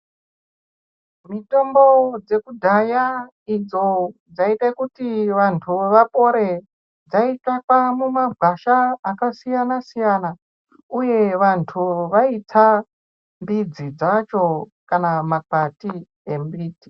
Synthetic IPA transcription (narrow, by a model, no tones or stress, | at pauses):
mito̞mbo̞d͡ze̞kudʱaja | id͡zo̞d͡zaitakutiʋantʰuʋapo̞ɾe̞ | d͡zaitakamumaɡʱaʃaːkasijanasijana | uje̞ʋantʰuʋait͡sa | mbid͡zid͡zat͡ʃo̞kanamakati | embiːti̥